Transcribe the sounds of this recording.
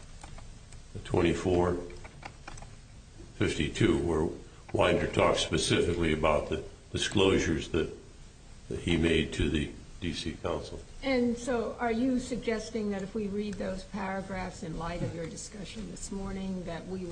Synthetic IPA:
tʰw̥ɛ̰̃ɾ̃ifɔɹ | fɪftitʰʉwɪ˞ | wã̰ɪ̃ndə˞tʰɔkspɨsɪfɨkliɨbaʊt̪̚ðɨ | d̥ɨskloʊʒə˞zðɨt̚ | t̚himeɪd̚tʰɨðɨd̥isikʰãʊ̃nsl̩ˠɨ̃nsoʊʔə˞jɨsɨɡ̚d͡ʒɛstɪ̃ŋðɨɾɨfwiɹid̪̚ðoʊz̥pʰæɹɨɡɹæfsɨ̃nlaɪɾʌvjə˞dɨskʌʃɨ̃nðɪsmɔɹnɪ̃ŋðɨt̚wi

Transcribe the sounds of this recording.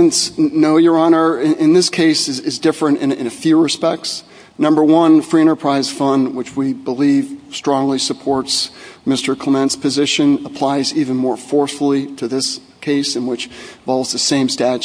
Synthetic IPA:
ntsnoʊjə˞ɑñə˞ɪ̃ɪ̃nðɪskʰeɪsɨzɪzdɪfɹɨ̃ɾ̃ɨ̰̃nɨ̰̃nɨfjʉɹɨspɛk̚ts | nʌ̃mbə˞wʌ̃nfɹiɨ̃ɾ̃tə˞pʰɹ̥aɪz̥fʌ̃nwət͡ʃwibəliv̥stɹ̥ɔ̃ŋlisɨpʰɔɹtsmɪstə˞kʰl̥əmɛ̃ntspʰɨzɪʃɨ̃nəpʰl̥aɪzivɨ̃nmɔɹfɔɹsfl̩ˠiɾɨðɪs | kʰeɪsɨ̃nwɨt͡ʃvɑlˠvz̥ðɨsẽɪ̃mstæt͡ʃ

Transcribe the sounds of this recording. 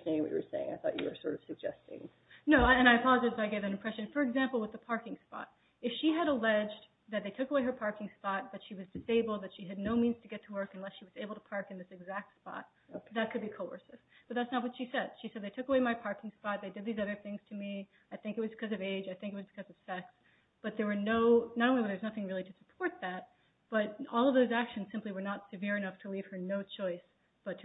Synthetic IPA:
nẽɪ̃ŋwʌ̰t͡ʃɨ̰ə̰̥sḛɪɪ̃ŋa̰ɪθɔ̰t͡ʃɨ̰ə̰˞sɔ̰ɹɾʌv̥sɨɡ̚d͡ʒɛ̰stɪ̰̃ŋ | noʊɨ̃ɾ̃aɪɨpʰɑlˠəd͡ʒaɪzaɪɡeɪvðɨ̃nɨ̃mpʰɹ̥ɛʃɨ̃nfə˞ɨɡzæ̃mpl̩ˠwəðəpʰɑɹkɪ̃ŋspɑ̰ɾ̚ | ɨfʃiɨɾəlɛd͡ʒ | ðɨt̪̚ðeɪtʰʊkəweɪə˞pʰɑɹkɪ̃ŋspɑt̚b̥ʌtʃiwʌzdɨseɪbl̩ˠd̪̚ðɨtʃiɨdⁿnoʊmĩnz̥tʰɨɡɛtʰəwɜ˞kɨ̃n̩lɛsʃiwʌzeɪbl̩ˠtʰəpʰɑɹkɨ̃nðɪsɨɡzæk̚tspɑ̰t̪̚ | ðɨt̚kʰɨd̚bikʰoʊə̰˞sɨsb̥ʌt̪̚ðætsnət̚wʌtʃisɛd̥ʃisɛd̪̚ðeɪtʰʊkəweɪmaɪpʰɑɹkɪ̃ŋspɑt̪̚ðeɪdɨd̪̚ðizʌðə˞θɪ̃ŋz̥tʰɨmi | aɪθɪ̃ŋkɨt̚wʌzbɨkʰʌzʌveɪd͡ʒaɪθɪ̃ŋkɨt̚wʌzbɨkʰʌzʌv̥sɛks | b̥ʌt̪̚ðə˞wə˞noʊnɨɾõʊnliwðə˞znʌθɪ̃ŋɹɪlˠiɾɨsə̥pʰɔɹt̪̚ðæt̚ | b̥ʌt̚ɔlˠʌvðoʊzækʃɨ̃n̩z̥sɪ̃mpliwə˞nətsɨvɪɹɨnʌftʰəliv̥ə˞noʊt͡ʃʰɔɪs | b̥ʌtʰ

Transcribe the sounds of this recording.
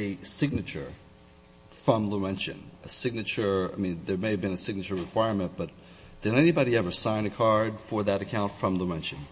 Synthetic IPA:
ɨsɪɡ̚nɨt͡ʃə̰˞ | fɹʌ̃mləɛ̃nt͡ʃɨ̰̃nɨsɪɡ̚nɨt͡ʃə˞a̰ɪmĩnðə˞meɪɨvbɨ̃nɨsɪɡ̚nɨt͡ʃə˞ɹɨkʰw̥aɪɹmɨ̃nb̥ʌt̪̚ | ðɨ̃nɛnibɑɾiɛvə˞sãɪ̃nɨkʰɑɹd̥fə˞ðɨɾɨkʰãʊ̃ntfɹʌ̃mluɛ̃nʃɨ̃n

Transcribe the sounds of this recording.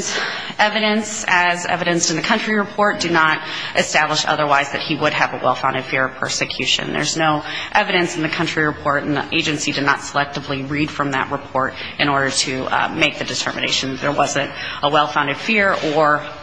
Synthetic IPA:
z | ɛvɨɾɨ̃nsɨzɛ̰vɨɾɨ̃nsn̩ðɨkʰʌ̃nt͡ʃɹ̥iɹɨpʰɔɹt̚d̥ɨnəɾʔɨstæbləʃʌ̰ðə˞waɪzðɨ̰t̚hiwəɾɨvəwɛ̰lˠfãʊ̃ndɨd̥fɪɹʌ̥pʰɜ̰˞sɨkʰj̥ʉʃɨ̰̃nðə̰˞znoʊʔɛvɨɾɨ̃nsn̩ðɨkʰʌ̃nt͡ʃɹ̥iɹɨpʰɔɹɾ̃n̩ʔeɪd͡ʒɨ̃nsidɨdⁿnə̰tsəlɛk̚tɨvliɹid̥fɹʌ̃mðɨ̰ʔ̚ɹəpʰɔɹɾ | ʔɨ̃ñɔɹɾə˞ɾɨmeɪk̚ðɨdɨtʰɜ̰˞mɨ̰neɪʃɨ̃n̩ðɨðə˞wʌzɨ̃ntəwɛlˠfãʊ̃ndɨd̥fɪɹə˞

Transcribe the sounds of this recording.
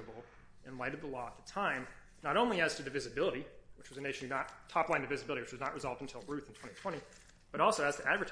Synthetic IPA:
ɨbl̩ˠ | ʔɨ̃nlaɪɾɨðəlɔət̪̚ðətʰãɪ̃m | nəɾõʊ̃nliɨz̥tʰɨðɨvɪzɨbɪlˠəɾiwɨt͡ʃwʌzɨneɪʃɨ̃n̩ɨnət̚tʰɑplãɪ̃nðɨvɪzɨbɪlˠəɾiwɨt͡ʃwʌznəʔ̚ɹɨzɑlˠvdn̩tʰɪlˠɹʉθn̩tʰw̥ɛ̃ɾ̃itʰw̥ɛ̃ɾ̃i | b̥ʌɾɔlˠsoʊɨz̥tʰɨʔædvə˞tʰ

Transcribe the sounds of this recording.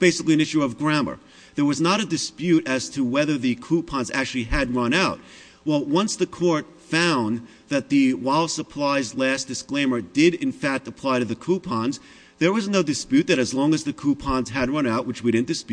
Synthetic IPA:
b̥eɪsəɨkliɨ̃nɪʃʉʌvɡɹæmə̰˞ | ðə˞wʌznəɾɨdɨspjʉɾɨz̥tʰəwɛðə˞ðɨkʰupʰɑ̃nzæ̰k̚t͡ʃʉl̩ˠiɨd̚ɹʌ̃naʊt̚ | wɛlˠwʌ̃nsðɨkʰɔɹt | fãʊ̃n | ðɨt̪̚ðɨwaɪlˠsəpʰl̥aɪzlæsd̥ɨskl̥ẽɪ̃mə˞dɪɾɪ̃nfæk̚təpʰl̥aɪɾɨðɨkʰupʰɑ̃nz | ðə˞wʌzn̩noʊdɨspjʉt̪̚ðɨɾɨzlɔ̃ŋɨzðɨkʰupʰɑ̃nz̥ɨd̚ɹʌ̃naʊʔ̚wɨt͡ʃwiɾɪdⁿn̩d̥ɨspj̚

